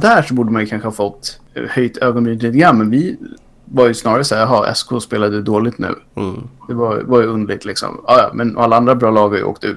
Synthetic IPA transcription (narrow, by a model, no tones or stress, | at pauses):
d̪æːʂɔbuːɖəmanjɵkʰanɧəhɑːfɔt̪ː | hœjt̪ʰøːɡɔnbiːnliːt̪ɪɡɾanmɛnvɪ | vaɾjɵsnɑːɾaɾəsæːɾjɑɦɑʔɛ̰skʰoːspeːlad̪d̪oːlɪt̪nʉ̟̰ːd̪̥ɛvaj̰vaɾjɵɵnd̪lɪɡ̚t̪lɪksɔ̰mɑːjɑ̰mɛnɔ̰alːaand̪ɾabɾɑːlɑːɡhaɾjə̰o̰ːkt̪ʉ̟ːt̪